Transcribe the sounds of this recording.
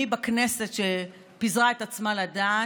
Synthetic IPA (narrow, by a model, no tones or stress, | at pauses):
ibakne̞se̞tʃe | pizʁae̞t̪at͡smalada